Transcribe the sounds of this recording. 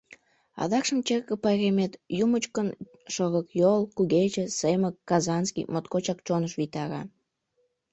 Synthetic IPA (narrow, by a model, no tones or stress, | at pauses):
ɑ̰d̪ɑkʃəmt͡ɕerkə̆pɑjɾemet̪jumət͡ɕkən | ʃoɣəkjolkuɣet͡ɕeseməkːɑzɑnskḭjmot̪kot͡ɕɑkt͡ɕonəʃβit̪ɑɾɑ